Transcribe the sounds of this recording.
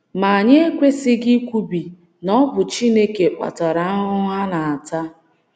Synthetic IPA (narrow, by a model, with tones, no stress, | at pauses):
ma˨a˨ɲe˦e˦kʷe˦sɪ˦ɡɪ˦kʷu˦bi˨ | nɔ˦bʊ˨t͡ʃi˦ne˦ke˨k͡pa̰˨ta˨ɾa˨a˦ɦʊ˦ɦa˦na˨a˨ta˦